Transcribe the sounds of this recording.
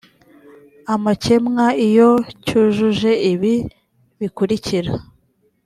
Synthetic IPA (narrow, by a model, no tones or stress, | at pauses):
amace̞mŋaijo̞cuʒuʒe̞iβi | βikuɾiciɾa